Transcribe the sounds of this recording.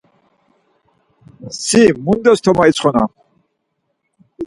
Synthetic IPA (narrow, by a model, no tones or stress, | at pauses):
simund̪ɛst̪ʰɔmait͡sʰχɔna̰